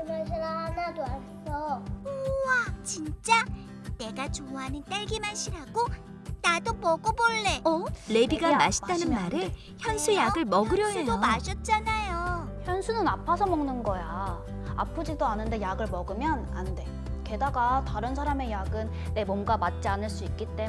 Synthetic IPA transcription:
masʰiɾaɦadadoa | sʰʌoat͡ɕint͡ɕ͈a | ne̞ɡat͡ɕoɦanɯnt͈aɭɡimaɕʰiɾaɡo | nadomʌɡoboɭːe̞ʌle̞biɡamaɕʰi̥t͈anɯnmaɾe | çjʌnsʰujaɡɯɭmʌɡɯɾjʌdomaɕʰʌt̚t͡ɕ͈anajo | çjʌnsʰunɯnapʰasʰʌmʌŋnɯnɡʌja | a̰pʰɯd͡ʑidoanɯnde̞jaɡɯɭmʌɡɯmjʌna̰nde̞ | ke̞daɡataɾɯns̬ʰaɾame̞jaɡɯnːe̞mʌnɡamat̚t͡ɕ͈ianɯɭs͈uik͈iɭt͈e

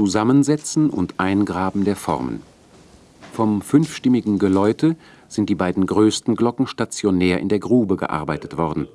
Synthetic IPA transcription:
t͡suzamənzɛt͡sn̩ʊ̰ntʔaɪnɡʁaːbm̩deːɐfɔ̰ʁmə̰n | fɔmfʏnfʃtɪmɪɡŋ̩ɡəlɔʏtə | z̥ɪntd̥iːbaɪdn̩ɡʁøːstn̩ɡlɔkŋ̩ʃtat͡sjonɛːɐʔɪ̰ndeːɐɡʁuːbəɡə̰ʔa̰ɐbaɪtətv̥ɔʁdn̩

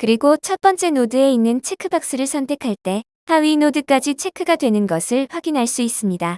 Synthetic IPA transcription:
kɯɾiɡot͡ɕʰʌt̚p͈ʌnt͡ɕ͈e̞nodɯe̞inːɯnt͡ɕʰe̞kʰɯbak̚s͈ɯɾɯɭsʰʌntʰe̞kʰaɭt͈e̞ | haɥinodɯk͈ad͡ʑit͡ɕʰe̞kʰɯɡadwe̞nɯnɡʌsʰɯɭɸwaɡinɦaɭs͈uis͈ɯmɲida

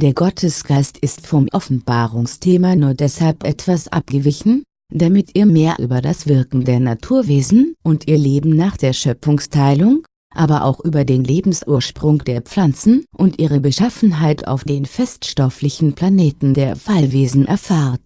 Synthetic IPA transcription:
d̥eːɐɡɔtʰəsɡ̥aɪstʰɪstfɔmʔɔfn̩baːʁʊŋstʰeːmanuːɐdɛshalpʔɛtv̥asʔa̰p̚ɡ̥əvɪçn̩ | d̥amɪtʔiːɐmeːɐʔy̰ːbɐdasv̥ɪɐkŋ̩deːɐnatʰuːɐveːzn̩ʔʊntʔiːɐleːbm̩naːχd̥eːɐʃœp͡fʊŋstʰaɪlʊŋ | ʔaːbɐʔa̰ʊxʔyːbɐdeːnleːbm̩sʔuːɐʃpʁ̥ʊŋd̥eːɐp͡flant͡sn̩ʔʊntʔiːʁəbəʃafn̩ɦaɪtʰa̰ʊfd̥eːnfɛstʃtɔflɪçn̩pʰl̥aneːtn̩deːɐfalveːzn̩ʔɛɐfaːʁt

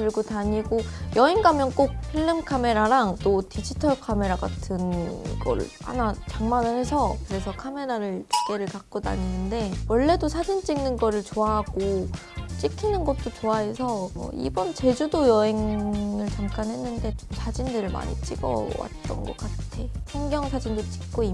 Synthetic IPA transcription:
kɯɭɡotaɲiɡojʌeŋɡamjʌnk͈ok̚ɸiɭːɯmkʰame̞ɾaɾaŋt͈otid͡ʑitʰʌkʰame̞ɾaɡatʰɯnɡʌ̰ɾɯ̰ɭha̰nat͡ɕaŋmanɯɭhe̞sʰʌkɯɾe̞sʰʌkʰame̞ɾaɾɯɭt͡ɕu̥k͈e̞ɾɯɭkak̚k͈oda̰ɲinɯnde̞wʌɭːe̞dosʰad͡ʑint͡ɕ͈iŋnɯnɡʌɾɯɭt͡ɕoaɦaɡ̥o | t͡ɕ͈ikʰinɯnɡʌt̚t͈ot͡ɕoaɦe̞sʰʌmʌ̰ḭbʌnt͡ɕe̞d͡ʑudojʌe̞ŋɯɭt͡ɕamk͈anɦe̞nːɯnde̞t͡ɕomsʰad͡ʑindɯɾɯɭma̰ɲḭt͡ɕ͈iɡʌ̰wa̰t̚t͈ʌ̰nɡʌk͈atʰe̞sʰʌŋɡjʌŋsʰad͡ʑindot͡ɕ͈i̥k̚k͈oi

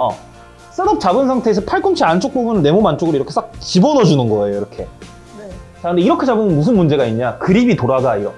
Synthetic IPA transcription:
ʌ̰ | s͈ʰɯɾʌp̚t͡ɕabɯns̬ʰaŋtʰeːsʰʌpʰaɭk͈umt͡ɕʰiant͡ɕ͈ok̚pobunɯnne̞momant͡ɕ͈oɡɯɾiɾʌkʰe̞s͈ak̚t͡ɕibʌnʌd͡ʑunɯnɡʌejoiɾʌkʰe̞ | t͡ɕaɯnde̞iɾʌkʰed͡ʑabɯmʌnmusʰɯnmund͡ʑe̞ɡaiɲɲakɯɾibitoɾaɡaiɾʌ

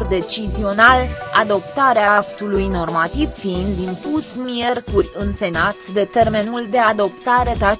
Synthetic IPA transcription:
rd̪e̞t͡ʃizio̞nalad̪o̞pt̪aɾeaak̚t̪ulujno̞rmat̪iv̥find̪int̪ut̪sʲmie̞rkurʲɨnse̞nat̪d̪e̞t̪e̞rme̞nuld̪e̞ad̪o̞p̚t̪aɾe̞t̪a

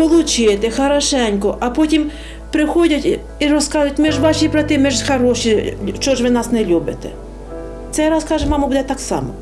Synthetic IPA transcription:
pɔlˠʊt͡ʃɪjet̪ɛxɐɾɐʃɛnʲkɔʔɐpɔtʲim | pɾɪxɔdʲɐtʲ | iɾɔskɑzʊjʊtʲmiʒʋɑʃibɾɐt̪ɪmiʒxɐɾɔʃit͡ʃɔʒʋɪnɑsnɛlʲubɪt̪ɛ̰ | t̪sɛjɾɑskɑʒɛmɑmɐbud̪ɛt̪ɑksɑ̰mɔ̰

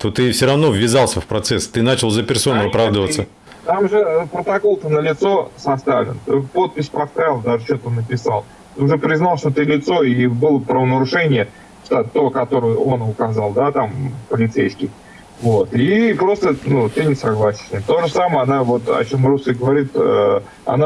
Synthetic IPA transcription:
t̪ot̪ɨfsʲoɾɐvno̞vʲːɪzalˠsʲəfpɾɐt̪sɛst̪ɨnat͡ɕɪlˠzəpʲɪrso̞nʊɐpɾavd̪əvət̪sːə | t̪amʐɨpɾət̪ɐko̞lˠt̪ənəlʲɪt̪so̞sɐst̪avlʲɪ̰nt̪ɨpo̞t̪̚pʲɪsʲpɐst̪aɪlˠd̪aʐɨt͡ɕo̞t̪nːəpʲɪsa̰lˠ | t̪ɨʊʐɛpɾʲɪznalˠʂt̪o̞t̪ɨlʲɪt̪so̞ibɨlˠəpɾəvənəɾʊʂɛnʲɪjə | ʂt̪at̪o̞kɐt̪o̞ɾəjʊo̞nʊkɐzɑlˠd̪at̪ampəlʲɪt̪sejskʲɪj | vo̞t̪ipɾo̞st̪ənut̪ɨnʲɪsɐɡlˠasʲɪ̥sʲnʲimt̪o̞ʐəsaməjɐnavo̞t̪ɐ̰t͡ɕo̞mrusʲəɡəvɐɾʲit̪ | ɐ̰na

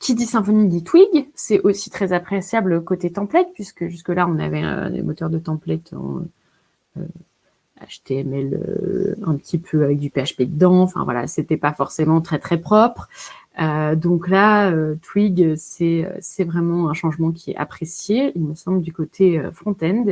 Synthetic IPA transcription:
kʰʲid̪isɛ̃fɔnid̪it̪wiɡsɛʔosi̥t̪χɛzapχesjabløkot̪et̪ɑ̃plɛt̪̚pɥiskəʒyskəlaɔ̃na̰vɛɛ̰̃d̪ḛmot̪œʁd̪ət̪ɑ̃plɛt̪ʰɔ̰̃ | ø̰ | a̰ʃt̪eɛmɛlø̰ɛ̃pət̪ʰipʰøavɛk̚d̪ypeaʃped̪əd̪ɑ̃ɑ̃fɛ̰̃vwa̰la̰set̪ɛpafɔʁsemɑ̃t̪χɛt̪χɛpχɔpχød̪ɔ̃klaøt̪wiɡøsɛø̰sɛvʁɛmɑ̃ɛ̃ʃɑ̃ʒmɑ̃k̬ʲiɛ̰ʔa̰pχesjeilməsɑ̃bld̪ykot̪ʰeø̰fχɔ̃t̪ɛ̃nd̪

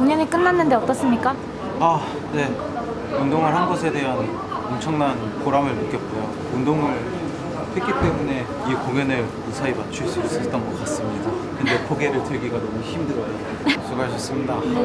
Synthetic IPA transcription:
uŋɲʌɲik͈ɯnːanːɯnde̞ʌt͈ʌs͈ɯmɲik͈a | a | ne̞ | undoŋɯɭhanɡʌs̬ʰe̞de̞ɦan | ʌmt͡ɕʰʌŋnanpoɾamɯɭnɯk͈jʌt̚k͈ojo | undoŋɯɭ | ɸwek͈it͈e̞mune̞ | ikoŋjʌnɯɭ | ɯsʰaimat͡ɕʰuɭs͈uis͈uit̚t͈ʌnɡʌk͈as͈ɯmɲidakɯnde̞pʰoɡe̞ɾɯɭtɯɭɡiɡanomuçimdɯɾʌjo | sʰuɡaɭɕʰʌs͈ɯmɲida

